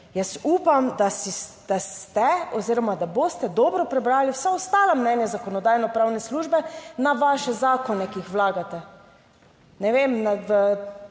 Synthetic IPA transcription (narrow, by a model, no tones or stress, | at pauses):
jəsuːpamd̪asid̪̥ast̪ɛɔziːɾɔmad̪aboːst̪ɛd̪ɔːbɾɔpɾɛbɾaːliwsaɔst̪aːlamnɛnjazakɔnɔd̪aːjnɔpɾaːwnɛsluːʒbɛnaʋaʃɛzaːkɔnɛkijixwlaːɡat̪ɛ | nɛʋemnaʋə